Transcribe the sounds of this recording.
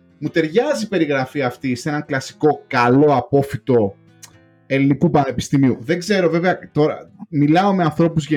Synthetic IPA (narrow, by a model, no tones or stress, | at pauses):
mut̪e̞ɾʝɐzipe̞ɾiɣɾɐfiɐft̪ise̞nɐŋklɐsi̥ko̞kɐlo̞ɐpo̞fit̪o̞ | e̞linikupɐne̞pi̥st̪imiuðe̞ɡze̞ɾo̞ve̞veɐt̪o̞ɾɐ̰milɐo̞me̞ɐnθɾo̞puzʝe